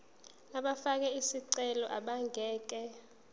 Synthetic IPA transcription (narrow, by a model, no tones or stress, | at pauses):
aɓafak̬ɛisiǀɛlɔʔaɓaŋɡʱɛːk̬ɛ